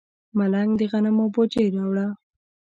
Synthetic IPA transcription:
malaŋɡd̪əɣanamobod͡ʒeɾɑwɽa

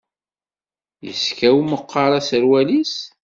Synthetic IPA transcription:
jəskæwməqːɑɾˤɑsəɾwælis

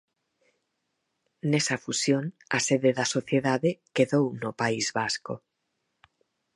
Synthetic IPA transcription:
nesafusjon | a̰seðeðasoθjeðaðekeðownopaizβasko̰

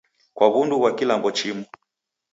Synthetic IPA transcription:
kwaɣunduβwakilaŋɡɔt͡ʃimu

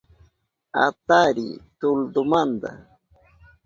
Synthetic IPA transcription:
a̰t̪aɾḭt̪ʊld̪ʊmand̪a̰

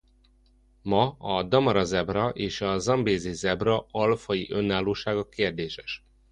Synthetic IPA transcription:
mɒɒd̪ɒmɒɾɒzɛbrɒʔeːʃɒzɒmbeːzizɛbrɒɒlfɒjiʔø̞nːaːlːoːʃaːɡɒkeːrd̪eːʃɛ̥ʃ

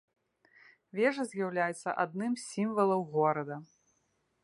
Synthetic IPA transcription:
vʲɛʐɐzʲjawlʲajɛt̪sːɐ̰ʔad̪̚nɨmsʲsʲimvɐlˠɐwɣɔɾɐd̪ɐ

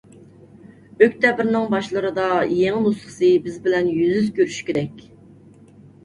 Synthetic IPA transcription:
økʲt̪ʰɛbɪɾnɪŋbɑʃlˠəɾɨd̪ɑjeŋɪmusχə̥sɨbɪzbɪlɛnjyzyzkʲʰøɾyʃkʲeɾɛkʲ

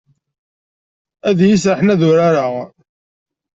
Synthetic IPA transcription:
æðjis̬ɾaħnæðʊɾaɾaʁ

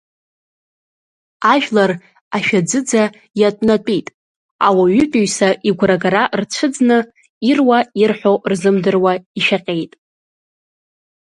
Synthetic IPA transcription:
aʒᶣlar | aʃᶣad͡zɨd͡za | jatʷʼnatʷʼijtʼ | awaɥʏpʼiɥsaʔiɡʷraɡaɾart͡ʃʷʰɨd͡znɨ | irwairħʷorzɨmdɨrwaiʃaqʲʼe̞jtʼ

